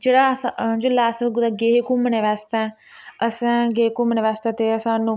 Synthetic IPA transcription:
d͡ʒeːɽaːsãd͡ʒolaːsəɡʊd̪aɡeːɦkuməneʋaːst̪ãː | əsãːɡeːkuməneʋaːst̪ãːt̪eːəsãːnũː

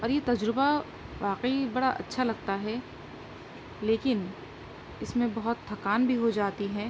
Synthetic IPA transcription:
ɔːɾjet̪ɐd͡ʒɾɪba | ʋaːqəibɐɽaʔɐ̰tːʃʰalɐɡ̚t̪aɦɛ | leːkɪn | ɪsmẽbɐɦʊt̪ʰːɐkaːnbʱiɦod͡ʒaːt̪iɦɛ̃ː

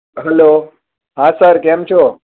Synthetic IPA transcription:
ɦɛloː | ɦãːsəɾkemt͡ʃʰoː

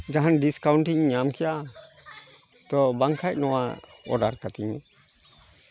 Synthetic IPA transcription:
d͡ʒaɦanɖiskawɳʈiɲɲamkʰɛjaʔ | t̪ɔbaŋkʰajc̚nɔwaɔ̰ɖaɾkat̪iɲ

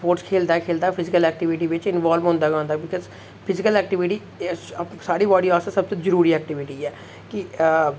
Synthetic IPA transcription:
poːʈskʰeːld̪aːkʰeːld̪aːpʰɪzɪkəlɛːk̚ʈɪʋɪʈiːʋɪt͡ʃɪnʋaːlʋɦʊ̃nd̪aːɡõnd̪aːbɪkəz | pʰɪzɪkəlɛːk̚ʈɪʋɪʈiː | saːɽiːʋaːɖiːaːst̪asəb̚t̪ozəɾuːɾiːɛːk̚ʈɪʋɪʈiːɛː | kɪ

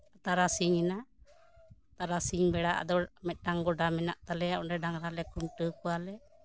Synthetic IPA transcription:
at̪aɾasiŋina | t̪aɾasiŋbɛɽaʔa̰d̪ɔmɛt̪̚ˀɖaŋɡɔɖamɛnaʔt̪alɛjaʔɔɖɛɖaŋɾalɛkunʈəkɔwalɛ

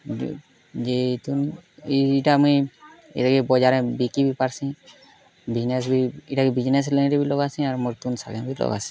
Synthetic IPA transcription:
d͡ʒet̪uniiʈamui | ḛt̪aɡebɔd͡ʒaɾɛ̃bikibʱipaɾsĩ | bid͡ʒnes̬bʱiiʈakibid͡ʒnes̬lenɾebʱilɔɡasĩaɾmɔɾt̪unsaɡɛ̃bʱilɔ̰ɡa̰sĩ̥

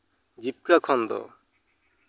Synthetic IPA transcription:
d͡ʒip̚kakʰɔnd̪ɔ̰

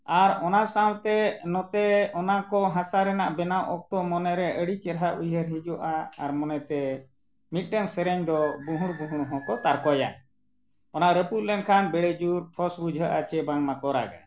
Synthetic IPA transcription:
aɾɔnasawt̪ɛnɔt̪ɛɔnakɔɦãsaɾɛnaʔbɛnawʔɔk̚t̪ɔmɔnɛɾɛʔəɽit͡ʃɛɾɦaʔujəɾɦid͡ʒuʔaːɾmɔnɛt̪ɛ | mit̪̚ˀʈɛnsɛɾɛɲd̪ɔbuɦũɽ̃buɦuɽɦɔ̃kɔt̪aɾkɔja̰ | ɔnaʔɾeput̪lɛnkʰanbɛɽɛd͡ʒuɾpʰɔsbud͡ʒʱəʔat͡ʃɛbaŋmakɔɾa̰ɡa̰

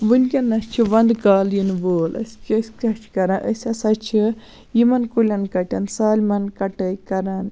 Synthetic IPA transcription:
ʋɨnʲkʲɐnɐst͡ʃʰiʋɐnd̪kaːljinʋoːlɐ̰sʲkɐsʲkɐt͡ʃʰkɐɾɐnʔəsʲɐsɐt͡ʃʰi | jimɐnkulʲɐnkɐʈʲɐnsaːlʲmɐnkɐʈɐjkɐɾɐn

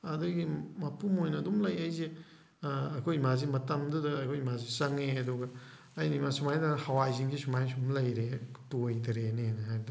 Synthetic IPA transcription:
ɐdɐɡimɐpumojnɐːdumlɐjɐjze | ɐkʰojmazimɐtɐmdudɐːkʰojmazisɐŋeɐduɡɐː | jnimasumajdɐhɐwajziŋɡisumajsumlɐjɾetojdɾenenɐɦajbdɐ

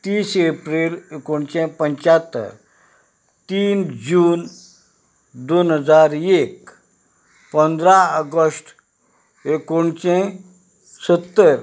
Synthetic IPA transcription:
t̪iːsepɾelekoɳt͡ʃẽpə̃ɲt͡ʃat̪ːə̰ɾ | t̪iːnd͡ʒuːn | d̪onɦəd͡zaɾek | pənd̪ɾaəɡəsʈ | ekoɳt͡ʃẽ | sət̪ːəɾ

